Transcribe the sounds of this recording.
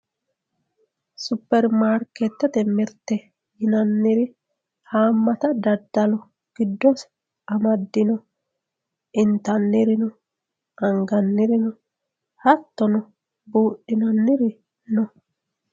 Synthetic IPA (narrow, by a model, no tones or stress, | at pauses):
sʊpːɛɾmaːɾkɛt̪ːɛt̪ɛmɪɾt̪ːɛ | jɪnɐnːɪɾɪ | haːmːɐt̪ɐd̪ɐd̪ːɐlɔ | ɡ̥ɪd̪ːɔs | ɐmɐd̪ːɪnɔ | ʔɪnt̪ɐnːɪɾɪnɔ | ʔɐŋɡɐnːɪɾɪnɔ | hɐt̪ːɔnɔ | buːʔɪnɐnːɪɾɪ | nɔ